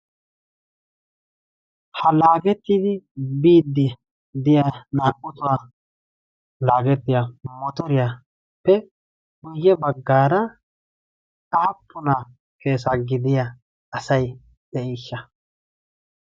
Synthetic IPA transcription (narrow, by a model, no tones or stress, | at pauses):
hɐlaːɡɛt̪ːɪd̪ɪbiːd̪ːɪ | d̪ɪjanaːʔʊt̪ʊwaː | laːɡɛt̪ːɪjamɔt̪ɔɾɪja | pːɛ | ɡʊjːɛbɐɡːaːɾɐ | ɐɐpːʊna | ke̞ːs̬aɡɪd̪ɪja | ɐsɐj | d̪̥ɛʔɛːʃːɐ